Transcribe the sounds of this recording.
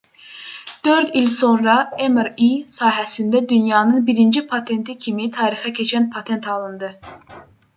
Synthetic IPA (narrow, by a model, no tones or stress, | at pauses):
d̪̥øɾd̪ilso̞nɾɑemeɾisɑːɦæsind̪æd̪ynjɑːnɯnbiɾind͡ʒipʰɑt̪ʰe̞nt̪ʰicʰimit̪ʰɑːɾixæcʰe̞t͡ʃʰænpʰɑt̪ʰe̞nt̪ʰɑlˠɯnd̪ɯ